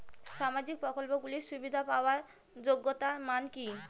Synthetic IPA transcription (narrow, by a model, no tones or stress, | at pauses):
ʃamad͡ʑik̚pɾɔkolpoɡuliɾʃubid̪ʱapaoaɾ | d͡ʑoɡːot̪amanki